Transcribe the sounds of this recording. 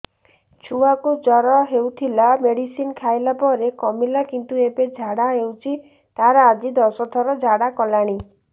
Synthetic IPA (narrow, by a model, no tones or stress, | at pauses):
t͡ʃʰuakud͡ʒɔɾɔɦewt̪ʰilameɽisinkʰajlapɔɾekɔmilakint̪ueped͡ʒʱaɽaewt͡ʃʰi | t̪aɾɔad͡ʒid̪ɔsɔt̪ʰɔɾɔd͡ʒʱaɽakɔlaɽ̃i